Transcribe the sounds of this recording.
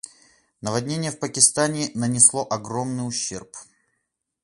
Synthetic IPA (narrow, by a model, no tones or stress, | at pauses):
nəvɐdʲnʲenʲɪjəfpəkʲɪst̪anʲɪnənʲɪslˠoʔɐɡɾo̞mnɨjʊɕːe̞̰rp